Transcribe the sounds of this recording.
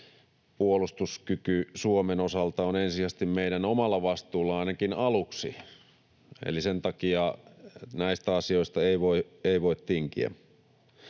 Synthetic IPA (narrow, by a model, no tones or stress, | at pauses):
puolust̪uskykysuomenosɑlt̪ɑonensiæst̪immeiɾænomɑlːɑʋɑst̪uːlːɑɑinɑkinɑluksḭ | ḛlisent̪ɑkiɑ | næist̪æɑsioist̪ɑeiʋoi | eiʋoit̪tiŋkḭæ̰